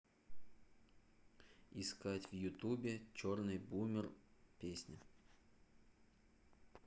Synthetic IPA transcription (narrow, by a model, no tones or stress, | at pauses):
ɪskatʲvjʊt̪ubʲɪt͡ɕornɨjbumʲɪrpʲesʲnʲɪ